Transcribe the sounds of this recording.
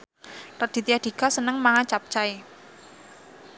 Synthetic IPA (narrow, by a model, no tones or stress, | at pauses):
rəd̪̥i̤t̪iad̪̥i̤kasənəŋmaŋat͡ʃap̚t͡ʃae